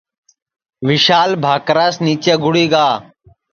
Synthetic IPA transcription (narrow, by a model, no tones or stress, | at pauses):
ʋɪʃaːlbʱaːkɾaːsniːt͡ʃeːɡʱʊɽiːɡaː